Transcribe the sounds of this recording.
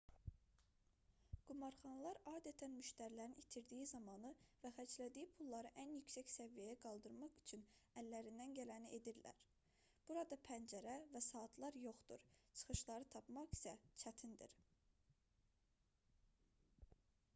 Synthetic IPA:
ɡ̥umɑɾχɑnlˠɑɾɑːd̪æt̪ʰænmyʃt̪æɾlæɾinit̪ʰiɾd̪ijizɑmɑnɯvæχæt͡ʃlæd̪ijipʰulˠːɑɾɯʔænjycsæcsævijæjæɡɑlˠd̪ɯɾmɑʁy̥t͡ʃʰynælːæɾind̪ænɟælæniʔe̞d̪iɾlæ̰ɾ | b̥uɾɑd̪ɑpʰænd͡ʒæɾævæsɑːt̪ʰlˠɑɾjo̞χd̪ṵɾt͡ʃʰɯ̥χɯʃlˠɑɾɯt̪ʰɑpmɑʁi̥sæt͡ʃʰæt̪ʰind̪ḭɾ

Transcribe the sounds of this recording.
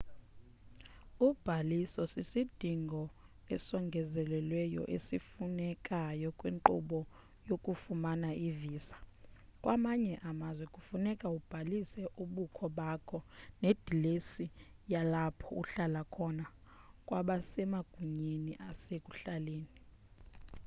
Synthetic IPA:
ub̥ʱalisɔsisid̥ʱiŋɡʱɔ | ɛsɔŋɡʱɛzɛlɛlwɛjɔ̰ʔesifunɛkʼajɔkʼwḛŋǃṵɓɔ | jokʼufumanaʔiviːsḁkʼwamaɲɛʔamazwɛkʼufunɛkʼaub̥ʱalisɛʔuɓukʰɔɓakʰɔned̥ʱilesijalapʰɔṵɬalakʰɔna | kʼwaɓasɛmaɡ̥ʱuɲeniʔasekʼuɬaleːni

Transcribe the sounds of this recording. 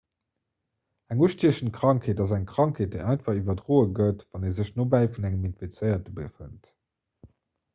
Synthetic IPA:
æŋuəʃtiəʃən̩kʁ̥ɑŋkʰeːtɑzæŋkʁ̥ɑŋkʰheːt̚d̥eɪʔɑɪntfɐʁivɐdʁoːəɡətv̥ɑneːzəɕnobæɪfunæŋəminfit͡səɪɐt̚əbəfə̰nt

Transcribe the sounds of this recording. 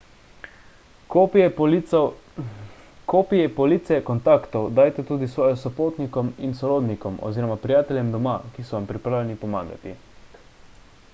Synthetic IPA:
kopijɛpɔlit̪sɛkɔnt̪aːkt̪ɔwd̪ajt̪ɛt̪uːd̪isʋɔːjɔsɔpoːt̪nikɔminsɔɾoːd̪nikɔmɔ̰ziːɾɔmapɾijaːt̪ɛljɛmd̪ɔmakisɔʋampɾipɾaːwlʲɛnipɔma̰ːɡa̰t̪ḭ

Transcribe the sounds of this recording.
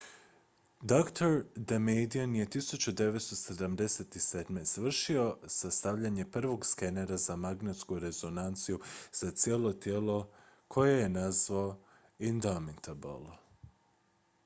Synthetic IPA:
d̪okt̪ʰoɾd̪emejd̪ianje̞t̪isut͡ɕud̪e̞ʋet̪st̪ose̞d̪amd̪e̞set̪ised̪mest̪ʋr̩ʃio̞sast̪aʋʎaɲe̞pr̩ʋo̞ɡskeneɾazamaɡnet̪skuɾe̞zo̞nant̪sijuz̥at̪sije̞ːlˠo̞t̪je̞lo̞kʰo̞jeje̞nazʋao | ind̪omit̪ab̰lˠ

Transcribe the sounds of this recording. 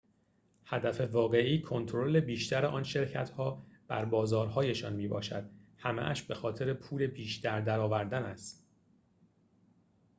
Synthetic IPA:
hæd̪æfe̞vɒːɣe̞ʔiːkʰo̞nt̪ʰoɾo̞le̞biːʃt̪ʰæɾeʔɒːnʃe̞ɾcʰæt̪ʰhɒːb̥æ̰ɾbɒːzɒːɾhɒːje̞ʃɒːnmiːbɒ̰ːʃæ̰d̪̥̚hæmḛʔæ̰ʃbe̞xɒːt̪ʰe̞ɾe̞pʰuːle̞biːʃd̪æɾd̪æɾɒːvæɾd̪ænæst̪

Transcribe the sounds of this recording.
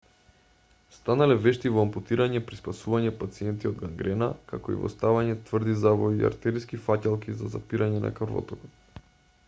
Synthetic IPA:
st̪analɛvɛʃt̪ivɔamput̪iɾaɲɛpɾispasuvaɲɛpat̪siɛnt̪iɔod̪ɡaŋɡɾɛnakakɔḭvɔ̰st̪avaɲɛt̪vrd̪izavɔia̰ɾt̪ɛɾiskifacalˠkizaza̰piɾʔaɲɛna̰kaɾvɔ̰t̪ɔkɔt̪

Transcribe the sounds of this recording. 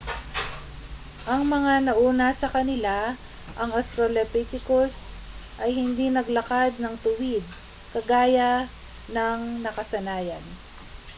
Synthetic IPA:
ʔɐŋmɐŋanɐʔuːnɐsɐkɐnɪla | ʔɐŋɐst̪ɾolɛpit̪ɪkosʔɐjhɪnd̪inɐɡlɐkad̪̚nɐŋt̪ʊwɪd̪̚ | kɐɡaːjɐ | nɐŋnɐkɐsɐnaːjɐn

